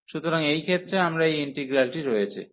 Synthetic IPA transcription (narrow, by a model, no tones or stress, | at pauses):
ʃut̪oɾaŋejkʰet̪ːɾeamɾaejiɳʈeɡɾalʈiɾojet͡ɕʰḭ